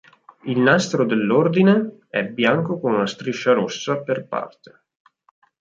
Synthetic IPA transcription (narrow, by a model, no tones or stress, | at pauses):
ilnast̪ɾod̪elːord̪ineɛbːjaŋkokonunast̪ɾiʃːaɾosːaperpa̰rt̪e̥